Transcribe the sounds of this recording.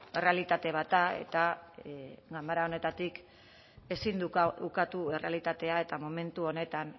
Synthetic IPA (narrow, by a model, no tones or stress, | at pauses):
e̞re̞alit̪at̪e̞β̞at̪ae̞̰t̪a | ɡamaɾaone̞t̪at̪ik | e̞sind̪uukat̪ue̞re̞alit̪at̪e̞ae̞t̪amo̞me̞nt̪uo̞ne̞t̪an